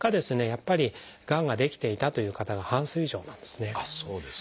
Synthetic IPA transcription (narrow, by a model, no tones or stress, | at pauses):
kad̪e̞sɨne̞japːaɾʲi | ɡ̥ãŋɡad̪e̞kʲi̥t̪e̞it̪at̪o̞jɯ̟ːkat̪aɡahãsɨiʑo̞̰ːnã̰nd̪̥e̞sɨne̞soːd̪es